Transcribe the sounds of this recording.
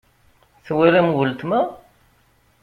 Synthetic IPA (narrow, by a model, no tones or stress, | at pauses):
θwæɾæmwəlt̪mæ